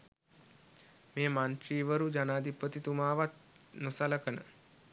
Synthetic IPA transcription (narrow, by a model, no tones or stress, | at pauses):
meːmanʈ̪ɾiːʋəɾud͡ʒanaːd̪ipːət̪it̪umaːʋat̪ | nəsaləkənə̰